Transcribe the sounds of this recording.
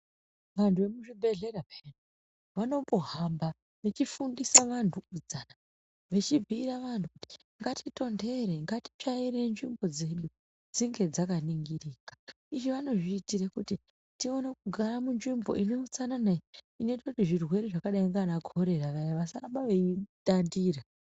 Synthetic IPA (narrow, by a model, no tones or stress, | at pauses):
ʋantʰuʋemuʐibʱe̞ɮe̞ɾapenu | ʋano̞moɦamba | ʋe̞t͡ʃifundisaʋantʰuud͡zana | ʋe̞t͡ʃibʱiːɾaʋantʰu | ŋɡatʰito̞nde̞ɾe̞ŋɡati̥t͡ʃaiɾe̞nʐimbo̞d͡ze̞ɗu | d͡ziŋɡe̞d͡zakaniŋɡiriːkḁ | iʐiʋano̞ʐiːtirekuti | tio̞ne̞kuɡʱaɾamunʐimbo̞̰ʔineut͡sananai | ino̞itakutiʐirwe̞ɾeʐakaɗaiŋɡanaɡʱo̞ɾe̞ɾaʋaʋasaraɓaʋeitandiːra